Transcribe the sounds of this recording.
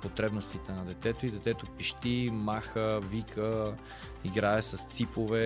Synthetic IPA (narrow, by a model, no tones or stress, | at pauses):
pot̪ɾɛbnost̪it̪ɛnɐd̪ɛt̪ɛt̪oid̪ɛt̪ɛt̪opiʃt̪imaxəvikʰə | iɡɾaɛsɐst̪sipovɛ